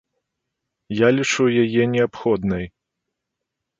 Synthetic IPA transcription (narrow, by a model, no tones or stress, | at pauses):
jalʲit͡ʂujajɛnʲɛapxɔd̪nɐj